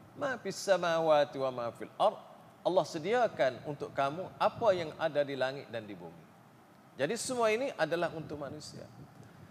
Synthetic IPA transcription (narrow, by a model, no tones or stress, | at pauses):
mafisːamawat̪iwamafilʔɑrˤd̪̚ | ʔɑlːɑhsədiakanunt̪ʊkkamuʔapajaŋadadilaŋɪt̪̚dandibṵmḭ | d͡ʒadisəmuainiʔadalaɦunt̪ʊk̚manusḭa̰